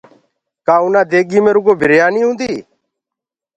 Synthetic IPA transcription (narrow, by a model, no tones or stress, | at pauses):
kaːunaːd̪eːɡiːmẽːɾuɡoːbʱɪɾjaːniːɦʊ̃ːnd̪iː